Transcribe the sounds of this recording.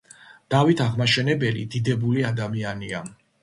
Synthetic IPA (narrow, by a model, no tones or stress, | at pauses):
d̪̥avit̪ʰaʁmaʃɛnɛbɛlid̪id̪ɛbuliad̪amiania